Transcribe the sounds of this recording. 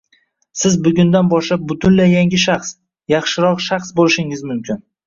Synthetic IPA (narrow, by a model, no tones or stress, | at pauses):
sɪzbʊɡʲʊnd̪anbɒʃlap̚bʊt̪ʰʊnlajːaŋʲɪʃaχs | jɑχʃɪɾɒqʃaχsbolɪʃɪŋɪzmʊmkʲʰɪn